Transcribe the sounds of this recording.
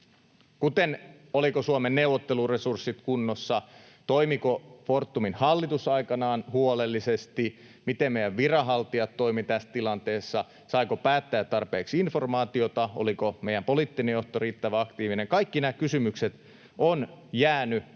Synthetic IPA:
kut̪en | olikosuomenːeuʋot̪ːeluresursːit̪kunːosːɑ | t̪oimikofort̪ːuminhɑlːit̪usɑikɑnɑːnhuolelːisest̪i | mit̪emmejæʋʋirɑɦɑlt̪iɑt̪t̪ːoimit̪æst̪ilɑnt̪eːsːɑ | sɑikopæːt̪ːæːt̪tɑrpeːksinfo̞rmɑːt̪iot̪ɑo̰likomejæmpoliːt̪ːinejoht̪oɾiːt̪ːæʋæɑkt̪iːʋineŋkɑikːinæːkysymykset̪ | ʔonjæːny

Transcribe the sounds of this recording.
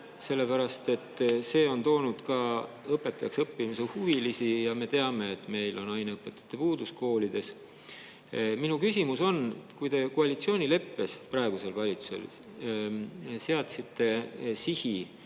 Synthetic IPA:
se̞lːe̞pæɾɑst̪e̞t̪ːˑse̞ːo̞nt̪o̞ːnud̪̥kɑ | ɤpːˑe̞t̪ːˑɑjɑksɤpːimisehuvilisijɑme̞t̪e̞ɑme̞ːt̪me̞jlo̞nɑjneɤpːˑe̞t̪ːˑɑ̥t̪ːˑe̞puːd̪̥usko̞ːlid̪̥e̞s | minukysʲimuso̞nkujd̪e̞koɑlit̪sio̞ːnʲile̞pːe̞sprɑe̞ɡ̥use̞lvɑlʲit̪su̥se̞̰l | seɑt̪sit̪ːe̞sihi

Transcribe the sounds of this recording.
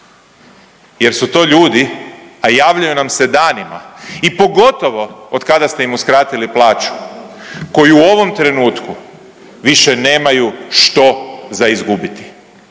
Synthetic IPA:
je̞ɾsut̪o̞ːʎuːd̪iajaːʋʎajunamsed̪aːnima̰ipo̞ɡo̞t̪o̞ʋo̞ot̪kad̪ast̪eimuskɾaːt̪iliplˠaːt͡ʃu̥ | ko̞jiuo̞ʋo̞mt̪ɾe̞nuːt̪ku | ʋiʃene̞ːmajuʃt̪o̞zaizɡubit̪i̥

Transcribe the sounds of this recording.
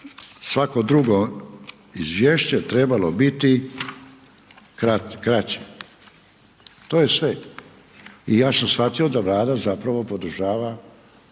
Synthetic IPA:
sʋako̞d̪ɾuɡo | izʋʲjeːʃt͡ɕet̪ɾebalo̞bit̪i | kɾatkɾat͡ɕe̥ | t̪oːje̞sʋe | ijaːsamsfat̪io̞d̪aʋlˠaːd̪azapɾaʋo̞po̞d̪ɾ̩ʒaːʋa

